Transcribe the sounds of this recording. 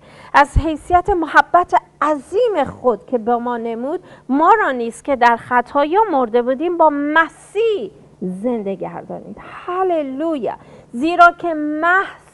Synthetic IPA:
æzhe̞jsijæt̪ʰemohæbːæt̪ʰe | æziːme̞xo̞d̪̥cʲʰe̞bemɒːne̞muːd̪̥̚mɒːɾɒːniːst̪cʰʲe̞d̪æɾxæt̪ʰɒːjɒːmo̞ɾd̪e̞buːd̪iːmbɒːmæsiː | ze̞nd̪e̞ɡæɾd̪ɒ̰ːnḭːd̪̥hæleluːjæ̰ziːɾɒːcʰe̞mæhz

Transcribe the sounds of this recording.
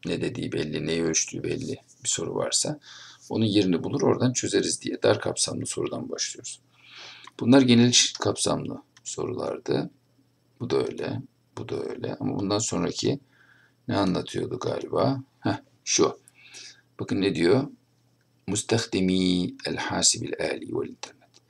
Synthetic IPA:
nɛd̪e̞d̪iːbɛlʲːinɛjøt͡ʃt̪ʰy̰ːbɛlʲːɪ | biso̞ɾṵva̰ɾsao̞nunjeɾinɛbulˠuɾo̞ɾd̪ant͡ʃʰø̞ze̞ɾizd̪ijɛd̪aɾkʰapsamlˠɯso̞ɾud̪anbaʃlˠɯjo̞ɾuz̥ | b̥unlˠaɾɟe̞nilʲʃkʰapsa̰mlˠɯ̰ | so̞̰ɾulˠa̰ɾd̪ɯ | bud̪aø̞̰ːjlʲɛ̰ | b̥ud̪aø̰jlʲɛ̰amabund̪anso̞nɾacʰi | nɛanlˠat̪ʰɯjo̞̰d̪uɡaːlʲibaːhɛ | ʃu | b̥akʰɯnːed̪ijo̞ | must̪ʰæxd̪imiːælʲħaːsibilʲaːlʲḭːvɛ̰lʲint̪ʰæɾnɛt̪

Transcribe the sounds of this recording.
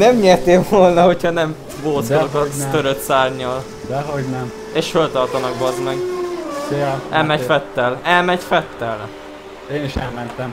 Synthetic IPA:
nɛmɲeːrt̪eːvolnɒho̞chɒnɛm | boːzolokɒt̪øɾøt̪saːrɲɒl | d̪ɛɦoɟnɛm | eːʃfølt̪ɒrt̪ɒnɒkbɒzmɛɡ | ɛlmɛɟffɛt̪ːɛlɛlmɛɟfɛt̪ːɛl | eːniʃɛlmɛnt̪ɛm

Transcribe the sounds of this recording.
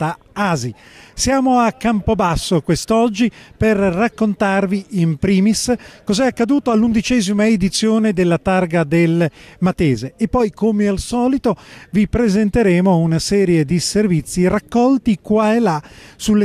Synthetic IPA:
t̪a | aːzisjaːmoakːampobasːokwest̪ɔd͡ʒːiperːakːont̪arviimpɾiːmiskɔzɛakːad̪uːt̪oalːund̪it͡ʃɛːzimaed̪it̪sːjoːned̪elːat̪arɡad̪elmat̪ɛːzeːpːɔjkomealsɔːlit̪ovipɾezent̪eɾɛːmounasɛːɾjed̪iservit̪sːirakːɔlt̪ikwaelːasulːe

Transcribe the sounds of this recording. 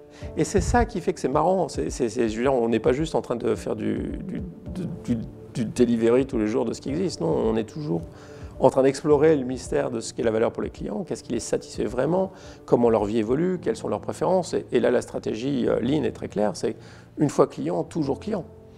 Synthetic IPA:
esɛsakʲifɛkə̥sɛmaʁɑ̃sɛ̰sɛsɛʒød̪iʁɔ̃nɛpaʒyst̪ɑ̃t̪χɛ̃d̪əfɛ̰ʁd̪y̰d̪yd̪əd̪y | d̪yd̪eliveʁit̪uleʒuʁd̪əsə̥kʲiɛɡzist̪nɔ̃ɔ̰̃nɛt̪ʰuʒuːʁ | ɑ̃t̪χɛ̃d̪ɛksplɔʁeləmist̪ɛʁd̪əsə̥kɛlavalœʁpuʁlḛklḭjɑ̰̃kʲɛskilɛsat̪i̥sfɛvʁɛmɑ̃ | kɔmɑ̃lœʁvievɔlykʲɛlsɔ̃lœʁpχefeʁɑ̃sḛelalast̪χat̪eʒiø̰linɛ̰t̪χɛklɛʁsɛ | ynfwaklijɑ̃t̪uʒuʁklijɑ̃

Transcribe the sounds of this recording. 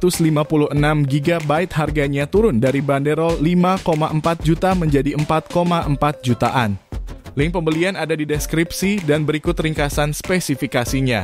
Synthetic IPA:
t̪ʊslimapulʊhənamɡiɡabaɪt̪̚harɡaɲat̪uɾʊndaɾibandeɾɔlːimakomaʔəmpat̪̚d͡ʒut̪aməɲd͡ʒadiəmpat̪̚komaʔəmpat̪̚d͡ʒut̪aʔanlɪŋpəmbəlianadadidɛskɾipsidanbəɾikʊt̪riŋkasanspesifikasiɲa

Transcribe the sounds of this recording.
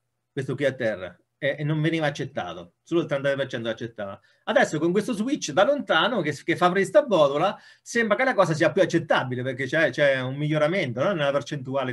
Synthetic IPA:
kwest̪okwiat̪ːɛrːa̰ | enːoɱveniːvaːt͡ʃːet̪ːa̰ːt̪o̰ | soːloilt̪ɾɛnt̪ap̬ert͡ʃɛnt̪oat͡ʃːet̪ːaːva | ad̪ɛsːokoŋkwest̪ozwit͡ʃːd̪alont̪aːnokekefːafɾist̪abːɔːd̪ula | sɛmbɾakelakɔːs̬as̬iːapjuat͡ʃːet̪ːabileperk̟ːet͡ʃɛt͡ʃɛumːiʎːoɾament̪onɔnːelapert͡ʃent̪uaːle

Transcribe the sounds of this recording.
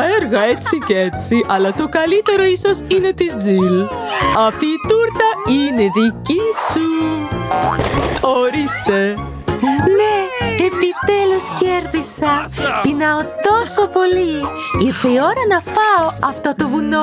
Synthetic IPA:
eɾɣɐet͡sicet͡siʔɐlɐt̪o̞kɐlit̪e̞ɾo̞isosine̞t̪izd͡zil | ɐft̪iːt̪uɾt̪ɐineðicisu | oɾist̪e̞ | neepit̪elusceɾðisɐtinɐot̪o̞sopo̞li | iɾθeio̞ɾɐnɐfɐoɐft̪o̞t̪o̞vuno̞

